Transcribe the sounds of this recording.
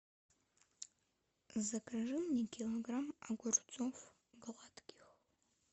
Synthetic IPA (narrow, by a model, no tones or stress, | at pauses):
zɐkʰɐʒɨmnikʲʰiloɡramaɡʷʊrt͡sʼof | ɡɨʁʷɑtʰɡ̥ʲix